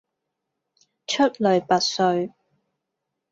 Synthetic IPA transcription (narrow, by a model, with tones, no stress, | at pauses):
t͡ʃʰɵ˥t̚lɵ˨ɥpɐ˨t̚sɵ˧ɥ